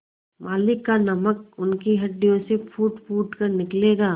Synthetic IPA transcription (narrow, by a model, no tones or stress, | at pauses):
maːlɪkːanɐməkʊnkiɦɐɖːijõsepʰuːʈpʰuːʈkɐɾnɪkleːɡaː